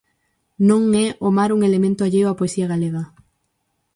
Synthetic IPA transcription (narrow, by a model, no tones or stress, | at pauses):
nõŋɛʔomaɾuŋelemẽnt̪ʊaʎejwapoesiaɣaleɣa